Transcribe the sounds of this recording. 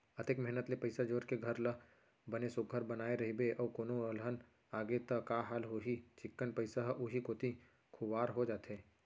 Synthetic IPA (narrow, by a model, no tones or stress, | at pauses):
ɐt̪ekmɛɦnət̪lepɐɪsad͡ʒoːɾkeɡʱɐɾlɐ | bɐnesʊɡʱəɾbɐnaːeɾɐɦibeʔɔːkoːnoɐlɦən | aːɡet̪ɐkaːɦaːlɦoːɦit͡ʃɪkːənpɐɪsaɦʔʊɦikoːt̪i | kʰʊʋaːɾɦod͡ʒaːt̪eː